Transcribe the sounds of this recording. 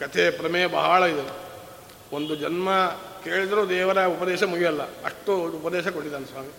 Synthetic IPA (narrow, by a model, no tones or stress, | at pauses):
kɐt̪ʰepɾɐmeːbɐɦaːɭɐid̪eu | ond̪ud͡ʒɐnmɐkeːɭid̪ɐɾoːd̪ɛːʋɐɾɐupɐd̪ɛːʃɐmuɡijɐlːɐɐ̰ʂʈːuːpɐd̪ɛːʃɐkoʈːid̪aːnesʋaːmi